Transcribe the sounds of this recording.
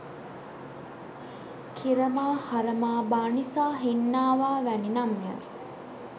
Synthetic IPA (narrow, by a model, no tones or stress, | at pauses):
kʰiɾəmaːhaɾəmaːbaːnisaːɦinːaːʋaːʋæninamːiə̰